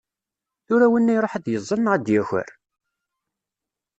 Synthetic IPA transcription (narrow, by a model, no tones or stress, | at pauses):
θʊɾæwənːæjɾˤoħaðjəzˤːənnʁəd̪jæçə̰ɾ